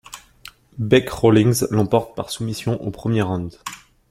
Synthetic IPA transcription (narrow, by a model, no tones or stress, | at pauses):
bɛkʁolĩŋzlɑ̃pɔʁt̪̚paʁsumisjɔ̃ʔopχəmjeʁɑ̃d̪